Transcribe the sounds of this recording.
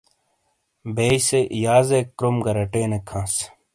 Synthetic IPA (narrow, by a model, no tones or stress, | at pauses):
beːseʔjaːzekɾumɡɐɾɐʈẽːnekʰːãːs